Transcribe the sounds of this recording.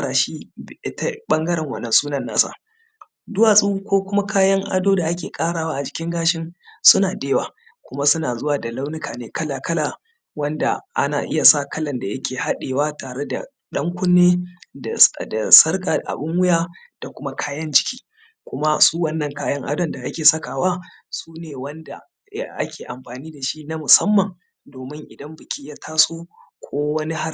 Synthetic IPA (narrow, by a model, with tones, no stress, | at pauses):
ɽaː˨ʃiː˦ʔɪ˦ta˦ɓɐ˦ŋɡɐ˦ɾɛ˨ŋwɐ̰˦˨nːɐ˨nsuː˦nɐ˦˨nːa̰ː˦sa̰˦˨ | dʊ˦wa˨sʼu˦kʷoː˦kʷʊ˦ma˦kaː˦jɐ˦ŋʔa̰˨doː˦da˨ʔa˦kʲeː˨kʼaː˦ɽaː˨waː˦ʔa˨d͡ʒɪ˨kʲɪ˦ŋɡaː˦ʃɪ˦nsʊ˦naː˨deː˦waː˨ | kʷʊ˦ma˦sʊ˦naː˨zʊ˦waː˨da˨la˦wnɪ˦kʰaː˨neː˦kɐ˦laː˨kɐ˦la˨ | wɐ˦nda̰˨ʔa̰˦na̰ː˨ʔɪ˦ja˨sa˦˨kɐ˦lɐ˨nda˨jɐ˦kʲeː˨ha˦ɗeː˨waː˦taː˨ɽe˦da̰˨ | ɗɐ˦ŋkʷʊ˦nːeː˦a˨da˨sɐ˦rka˨dʔa̰˨bʊ˦ŋwʊ˦jaː˦d̥a˨kʷʊ˦ma˦kʰaː˦jɐ˦nd͡ʒɪ˨kʲi̥ː˦ | kʷʊ˦ma˦suː˦wɐ˦nːɐ˨ŋkaː˦jɐ˦ŋʔa̰˦dɐ˨nda˨ʔa˦kʲeː˨sɐ˦kaː˨waː˦suː˦neː˨wɐ˦nda̰˨ | ʔa̰˦kʲʰeː˨ʔa˨mɸaː˨niː˦da˨ʃi˦na˦mʊ˨sɐ˦mːɐ˨ŋ | doː˨mɪ˦ŋʔɪ˨dɐ˦mbɪ˨kʲi˦jaː˦tʰaː˦soː˦kʷʰoː˦wɐ˦ni˦ha˦r